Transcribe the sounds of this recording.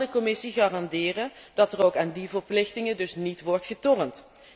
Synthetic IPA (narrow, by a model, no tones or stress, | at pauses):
dəkɔmɪsiχaːrɑndɪːrənd̥ɑtərowkaːndivərplɪχtɪŋədɵsnitʋɔrtχətɔrənt